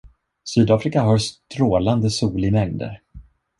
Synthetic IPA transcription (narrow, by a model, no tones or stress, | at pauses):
syːd̪ɑːfɾɪkaɦœɾʂt̪ɾoːland̪əsuːlɪmɛŋd̪ə̰ɾ